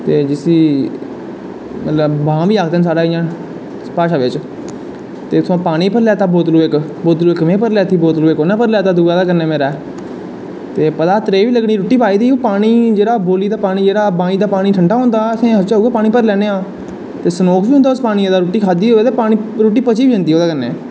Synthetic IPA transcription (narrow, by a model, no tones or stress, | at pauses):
t̪eːd͡ʒɪsiː | mət̪ləbbãːʋiːaːkʰd̪eːns̬aːɽaːɪjãː | paːʃaːʋɪt͡ʃ | t̪eːt̪ʰʊãːpaːɽ̃iːpəɾlɛːt̪aːboːt̪luːɪkboːt̪luːɪkmẽːpəɾlɛːt̪ʰiːboːt̪luːekoːnaːpəɾlaːt̪aːd̪uːɡaːd̪aːkəɾneːmeːɾɛː | t̪eːpət̪aːt̪ɾeːʋiːləɡɽiːɾoːʈiːpaːiːd̪iːoːpaːɽ̃iːd͡ʒeːɽaːboːliːd̪aːpaːɽ̃iːd͡ʒeːɽaːbãːĩːd̪aːpaːɽ̃iːʈʰəɳɖaːɦõːnd̪aːəsẽːɦət͡ʃaːɦuːɡaːpaːɽ̃iːpəɾlɛːneːãː | t̪eːsənoːkʰʋiːʊ̃nd̪aːʊspaːɽ̃ieːd̪aːɾoːʈiːkʰaːd̪iːɦoːeːt̪eːpaːñiːɾoːʈ̬iːpət͡ʃiːʋiːd͡ʒə̃nd̪iːɦoːd̪aːkəɾnḛː